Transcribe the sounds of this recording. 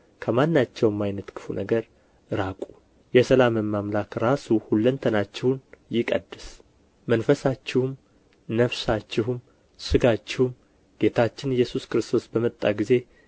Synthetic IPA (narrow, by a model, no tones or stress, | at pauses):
kʰəmanːat͡ʃːɛwmːajnət̪kʰɨ̥funəɡəɾ | ɾakʼu | jɛsəlamɨmːamlakɾasuhulːənt̪ʰənat͡ʃːɛwnjɪkʼəd̪ːɨs | mənfəsat͡ʃːɪhum | nəfsat͡ʃːɪɦum | sɨɡat͡ʃːɪhum | ɡ̥e̞t̪ʰat͡ʃːɪnjːɛsuskɾɨst̪ʰo̞sbəmət̪ʼːaɡize̞